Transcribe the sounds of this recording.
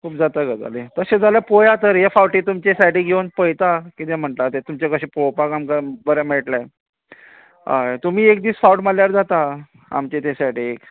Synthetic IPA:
kʰuːpd͡zat̪aɡad͡za̰let̪əɕẽd͡zaljapojat̪əɾjafawʈiːt̪umt͡ɕesajʈiɡʱewnpəjt̪akit̪em̤əɳʈ̪at̪et̪umt͡ɕekəɕiːpowpakamkabəɾameʈla | ɦa̰jt̪um̤iːek̚d̪iːsfawʈmaljaɾd͡zat̪a | a̰mt͡ɕet̪esajʈik

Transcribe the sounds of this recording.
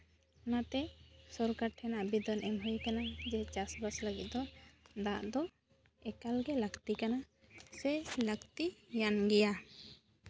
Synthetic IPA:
nat̪ɛsɔɾkaɾʈʰɛnabid̪ɔnɛmɦujkanad͡ʒɛt͡ʃasbasləɡit̪̚d̪ɔd̪aʔd̪ɔ | ɛkalɡɛləkt̪ikana | sɛləɡt̪ijanɡɛja

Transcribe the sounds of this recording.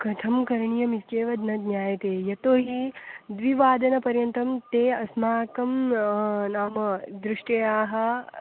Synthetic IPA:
kɐt̪ʰɐmkɐɾɳijɐmit͡ʃeːʋɐd̪nɐd̪nʲjaːjɐt̪eːjɐt̪oːɦid̪ʋiʋaːd̪ɐnɐpɐɾjɐnt̪ɐmt̪eːɐsmaːkɐm | naːmɐd̪ɾɪʂʈjɐjaːɦɐ̆

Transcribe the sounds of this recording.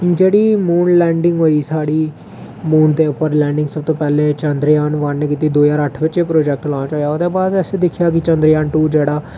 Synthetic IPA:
d͡ʒeːɽiːmuːnlɛːɳɖɪŋɡɦoːiːsaːɽiː | muːnt̪eːʊpːəɾlɛ̃ːɳɖɪŋɡsəb̚t̪oːpɛːleːt͡ʃənd̪ɾjaːnʋaːnneːkiːt̪iːd̪oːjaːɾəʈʰbətːʃeːpɾoːd͡ʒɛːk̚ʈlɔ̃ːnat͡ʃaːijaːoːd̪eːbaːd̪ɛseːd̪ɪkʰːjaːk̬ɪt͡ʃənd̪ɾjaːnʈuːd͡ʒeːɽaː

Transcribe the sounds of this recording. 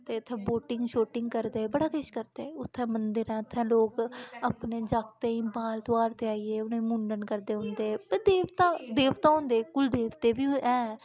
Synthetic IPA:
t̪eːʊt̪ʰːɛ̃ːboːʈɪŋɡʃoːʈɪŋɡkəɾd̪eːbəɽaːkeːʃkəɾd̪eːʊt̪ʰːɛ̃ːmənd̪əɾɛ̃ːʊt̪ʰːɛ̃ːloːkəpneːd͡ʒaːkt̪ẽːĩːbaːlt̪ʊaːɾt̪eaːieːʊnẽːmuːɳɖənkəɾd̪eːɦʊ̃nd̪eːpəd̪eːʋt̪ãːd̪eːʋt̪ãːɦõːnd̪eːkʊld̪eːʋt̪eːbiːʔɛ̃ː

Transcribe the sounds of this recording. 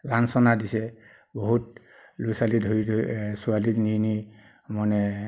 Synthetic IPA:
lansɔnadisɛ | bɔɦut | lujsalidʱoɹidsualinini | mɔnɛ

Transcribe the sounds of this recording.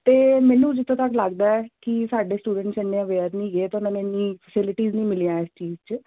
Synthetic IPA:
t̪eːmɛ̃ːnũːd͡ʒɪt̪ʰːõːt̪əklaɡd̪aːɛːkɪsaːɖeːsʈuːɖə̃ɳʈsɛnːẽːəʋeːɾnĩːɡeːt̪eʊnãːneːnĩːpʰəsɪlɪʈiːznĩːmɪlijãːɪst͡ʃiːzt͡ʃ

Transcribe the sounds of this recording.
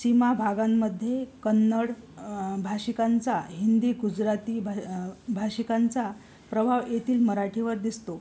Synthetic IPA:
simabʱaɡamːəd̪ʱːjekənːəɽbʱaɕikant͡saɦind̪iːɡud͡ʑɾat̪iːbbʱaɕikant͡sa | pɾəbʱaʋjet̪iːlməɾaʈʰiʋəɾd̪ist̪o

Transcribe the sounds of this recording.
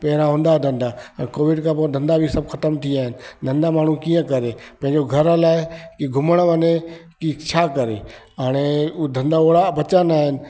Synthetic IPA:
pɛɦɪɾãɦʊ̃ːnd̪ad̪ʱɐ̃nd̪aəkoːʋɪɖkʰãpõd̪ʱɐ̃nd̪abʱisɐbxɐt̪əmt̪ʰiaːɦɪnɪ̆d̪ʱə̃nd̪amaːɳ̤ũkijə̃kɐɾepɐ̃ɦɪ̃ɲd͡ʑoɡʱɐɾlaːɪkiɡʱʊməɽ̃ʋənekit͡ɕʰaːkɐɾḛ | aːɽ̃ed̪ʱɐ̃nd̪aoːɽabɐt͡ɕanaːɦɪnɪ̆

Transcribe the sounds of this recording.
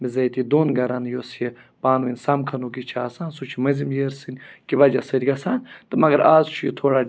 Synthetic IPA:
mizɐjt̪id̪oːnɡɐɾanjosje | paːnʋinʲsɐmkʰɐnuk̬it͡ʃʰaːsaːnsut͡ʃʰimɐzimjeɾsɨnʲkiʋɐd͡ʒɐsɐɾʲɡɐsaːnt̪ɨmɐɡɐɾʔaːzt͡ʃʰujit̪ʰoːɽa

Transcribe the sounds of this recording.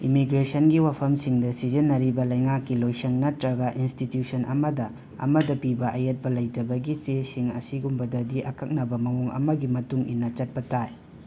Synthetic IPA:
imiɡɾesɐnɡiwapʰɐmsiŋdɐsizenːɐɾibɐlɐjŋakːilojsɐŋnɐtɾɐɡaʔinstitjusɐnʔɐ̰mɐdɐ | ɐ̰mɐdɐpibɐʔɐjɐt̚pɐlɐjtɐbɐɡit͡ʃesiŋɐsiɡumbɐdɐdiʔɐkʰɐk̚nɐbɐmɐŋuŋɐ̰mɐɡimɐtuŋḭnːɐt͡ʃɐt̚pɐtʰaj

